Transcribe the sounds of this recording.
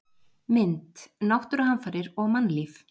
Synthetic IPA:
mɪnt̪nawht̪ʏɾahanfaɾɪɾɔɣmanːliːf

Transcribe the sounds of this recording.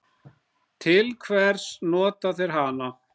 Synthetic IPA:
t̪ʰɪlkʰvɛɾ̥snɔːt̪aθɛɾ̥ɦana

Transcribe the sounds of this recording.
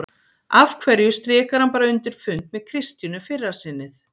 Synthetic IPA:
avkʰvɛɾjʏst̪ɾɪːkaɾ̥hanpaːɾaʏnt̪ɪɾ̥fʏnt̪mɛð̥kʰɾɪst̪jʏnʏfɪrːaɾ̥sɪnːɪθ

